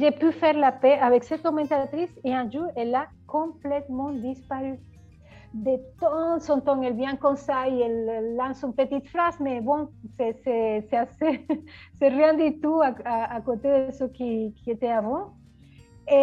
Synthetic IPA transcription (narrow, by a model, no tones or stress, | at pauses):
ʒepyfɛʁlapeavɛksɛt̪̚komɛ̃nt̪at̪ɾiseɛ̃nʒuɾela | kɔ̃mplɛt̪mɑ̃d̪ispaɾy | d̪et̪ɑ̃sɔ̃nt̪ɑ̃ŋɛlvjɛ̃kɔ̃msaiɛlːɑ̃synpət̪it̪fɾazmebɔ̃seseseaseserjɛ̃nd̪it̪uaaːkot̪ed̪eəsəkikiet̪eavɑ̃ | e